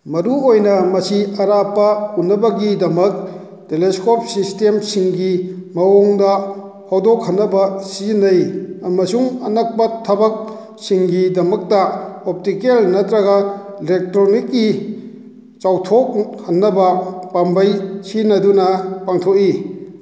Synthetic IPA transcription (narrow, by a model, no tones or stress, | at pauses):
mɐɾuojnɐmɐsiɐɾapːɐunːɐbɐɡidɐmɐk̚ | teleskop̚sistemsiŋɡimɐwoŋdɐ | hawdokhɐnːɐbɐsizinːɐjɐmɐsuŋɐnɐk̚pɐtʰɐbɐk̚ | siŋɡidɐmɐk̚tɐop̚tikelnɐtɾɐɡɐelek̚tɾonikːi | t͡ʃawtʰok̚hɐnːɐbɐpambɐjsinɐdunɐpaŋtʰok̚i